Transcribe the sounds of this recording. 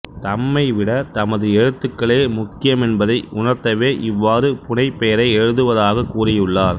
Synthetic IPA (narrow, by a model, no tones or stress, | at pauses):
t̪ɐmːɐɪʋɪɽɐt̪ɐmɐðɯɛɻɯt̪ːɯkːɐɭeːmʊkːɪjɐmɛnbɐðɐɪʔʊnɐɾt̪ɐʋeːʔɪʋːaːɾɯpʊnɐɪpːejɐɾɐɪɛɻɯðɯʋɐðaːɣɐkːuːrɪjɯɭːaːɾ